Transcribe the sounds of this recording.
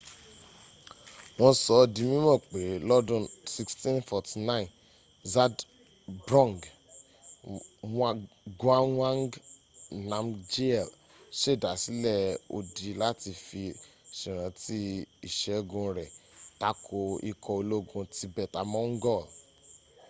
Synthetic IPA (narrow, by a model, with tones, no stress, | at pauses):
w̃ɔ̃˧sɔ˨˦dĩ˧mĩ˦mɔ̃˦˨k͡pe˨ɾlɔ˦dũ˦˨si˧kstĩ˦nfɔ˧ti˧nã˦ĩ˨n | za˦d | bɾɔ̃˦˨ŋɡ | wa˦ | ɡã˦wã˦ŋɡ | nã˧md͡ʒe˦ɛ˨l | ʃe˦˨da˨si˨˦lɛ˦o̰˧di˧la˦ti˧fi˧ʃĩ˨ɾ̃ã˨˦ti˦i˦˨ʃɛ˨˦ɡũ˧ɾɛ˨ta˦kʰo˧ḭ˧kʰɔ˧o˧lo˦ɡũ˧ti˧bɛ˨ta˨mɔ̃˦ŋ̩˦ɡɔ˦˨l